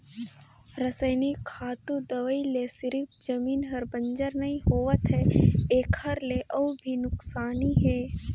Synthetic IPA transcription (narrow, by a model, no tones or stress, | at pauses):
ɾɐsəɪnikʰaːt̪ũd̪ɐʋəilesɪɾɪfd͡ʒɐmiːnɦɐɾbə̃ɲd͡ʒəɾnɐɦĩɦoːʋət̪ɦɛeːkhɐɾleʔɔːbʱinʊksaːniɦɛː